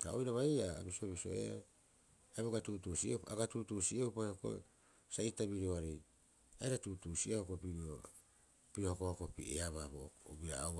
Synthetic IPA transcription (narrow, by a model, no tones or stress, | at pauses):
na̰ojɾaβajaa̰bisoβiso̞̰ḛ | aβoɡatuːtusieaɡatuːtusieupajoko̞̰ | saitaβiɾoaɾe | aeɾatuːtusiahokopiɾo | piɾohokohakopḭʔḛaβaboo̰biɾa̰ːw